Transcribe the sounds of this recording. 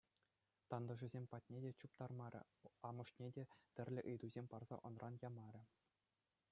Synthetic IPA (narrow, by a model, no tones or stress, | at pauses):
t̪ɑnd̪ɤ̆ʐɘ̆zʲemʲpɑt̚ʲnʲedʲet͡ɕup̚t̪ɑrmɑɾʲɘ̰̆ | ɑmɤ̆ʂnʲedʲet̪ʲɘ̆rʲlʲɘ̆ʔɯjd̪uzʲemʲpɑrz̥ɑ̰ʔŏnrɑnjɑmɑɾʲɘ̆